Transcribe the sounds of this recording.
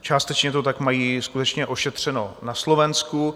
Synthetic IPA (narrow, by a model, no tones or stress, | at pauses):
t͡ʃaːst̪ɛt͡ʃɲɛt̪ot̪akmajiːskut̪ɛt͡ʃɲɛʔo̞ʃɛt̪r̝̥ɛno̞naslovɛnsku